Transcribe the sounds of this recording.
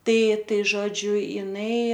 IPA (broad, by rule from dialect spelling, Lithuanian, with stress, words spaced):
ˈtɐɪ ˈtɐɪ ˈʒoːd͡ʒʲʊ jɪˈnɐɪ